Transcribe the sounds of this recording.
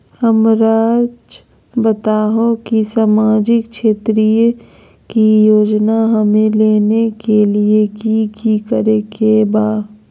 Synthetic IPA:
həmɾaːd͡ʒ | bət̪aːɦõkisaːmaːd͡ʒɪkʃeːt̪ɾijo | kijoːd͡ʒnaɦɐmẽleːnekeliekikikəɾekebaː

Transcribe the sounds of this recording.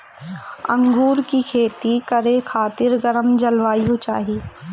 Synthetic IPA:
ɐ̰̃ŋɡuːɾkikʰeːt̪ikɐɾekʰaːt̪ɪɾɡɐɾəmd͡ʒɐlʋaːjũt͡ʃa̰ːɦiː

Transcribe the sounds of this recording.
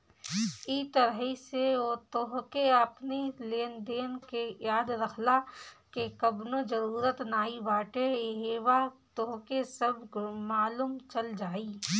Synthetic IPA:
it̪əɾɦiseot̪oːɦkeɐpneleːnd̪eːnkejaːd̪ɾɐkʰlakekɐbnod͡ʒɐɾuːɾət̪naːibaːʈeɦeːʋat̪oːɦkesɐbmaːluːmt͡ʃɐld͡ʒaːiː

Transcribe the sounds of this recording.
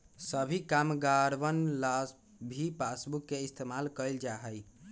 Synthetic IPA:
səbʱikamɡaɾʋənlas | bʱipasbukːeist̪ʰemalkəjld͡ʒaɦəj

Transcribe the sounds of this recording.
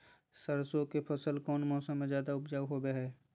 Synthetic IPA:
səɾsõkepʰɐsəlkɔːnmɔːsəmːẽzjaːd̪aʊpd͡ʒaːʋɦobeɦɛː

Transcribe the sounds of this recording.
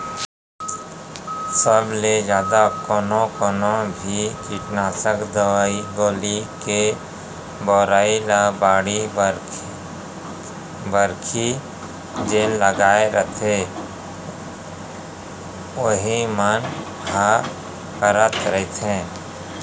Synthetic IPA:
səbled͡ʒjaːd̪akoːnokoːnõbʱikiʈnaːsəkd̪əʋaːiɡoːlike | bɔːɾaːilabaːɽi | bəɾkʰi | d͡ʒeːnləɡaːeɾʔət̪ʰe | oɦimən | ɦa | kəɾət̪ɾəɦit̪ɦɛ̃ː

